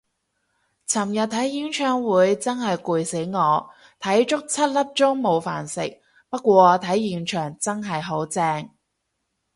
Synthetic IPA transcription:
t͡sʰɐ˨˩mjɐ˨t̚t̪ʰɐ˨˥jji˨˥nt͡ʃʰœː˨˥ŋwuː˨˧jt͡sɐ˥nɦɐ˨jkuː˨˧jse˨˥jŋɔː˨˧ | t̪ʰɐ˨˥jt͡ʃʊ˥k̚t͡sʰɐ˥t̚lɐ˥p̚t͡sʊ˥ŋmo˨˧wfa̰ː˨˩nsɪ̰˨k̚ | pɐ˥t̚kʷɔː˧t̪ʰɐ˨˥jjiː˨˩nt͡ʃʰœː˨˩ŋt͡sɐ˥ŋɦɐ˨jɦo˨˥wt͡sɛː˧ŋ

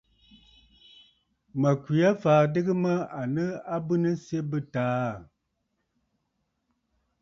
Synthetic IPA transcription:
mə˨ki˨a˦faː˨dɨ˦ɡɨ˦mə˦a˨nə˦a˦bɨ˦nɨ˦sje˦bɨ˦taː˨˦

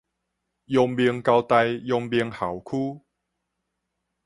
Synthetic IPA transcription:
jɔ˧ŋbi˧əŋka˧wt̪a˧jjɔ˧ŋbi˧əŋha˨˩˦wkʰu˦

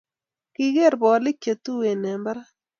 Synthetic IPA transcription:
kɪ˦ɣe˦˨ɾbɔ˨lɪ˦t͡ʃe˨t̪u˦we˨ne˨mbɾa˦

